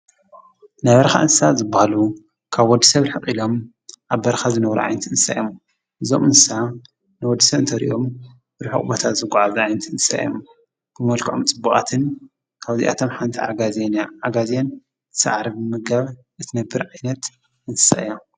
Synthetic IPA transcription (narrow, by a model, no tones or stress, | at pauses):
najβɐɾɐxa̰ʔɨnssazɨbahalu | kʰaβwɔd̪ːisɐβɾɨħɨχʼilo̞m | ʔaβːɐɾɐxazɨnɐβɾṵʔʕa̰jnt̪ʰiɨnsa̰jom | ʔɨzomɨnsa | nɨwɔd̪ːisɐβɨnt̪ʰɐɾḭʔom | bɨɾɨħṵkʼbot̪ʰat̪zɨɡʷaʕazʔajnt̪ʰiɨnsa̰j̰om | b̥ɨmɐlkʰʕo̰mt͡sʼɨbːukʼa̰t̪ʰɨn | kʰaβzḭʔa̰t̪ʰo̞mħant̪ʰḭazenaɡazan | t̪ʰɨ̥sa̰ʕɾiβɨmɨɡaβ | ʔɨt̪ʰinɐbːɨɾʕajnɐt̪ | ʔɨnsɨ̥sa̰ʔjom